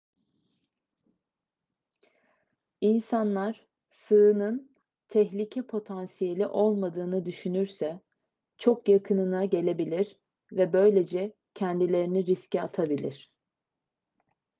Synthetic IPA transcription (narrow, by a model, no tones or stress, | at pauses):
insanlˠaɾ̥ | sɯɯnɯn | t̪ʰɛçlʲicʰɛpʰo̞t̪ʰansije̞lʲiʔo̞lˠmad̪ɯːnɯd̪yʃynyɾsɛ | t͡ʃʰo̞kjakʰɯnɯnaɟe̞lʲe̞bilʲiɾ | vɛbø̞jlʲe̞d͡ʒɛ | cʰɛnd̪ilʲe̞ɾiniɾiscɛa̰t̪ʰabilʲiɾ̥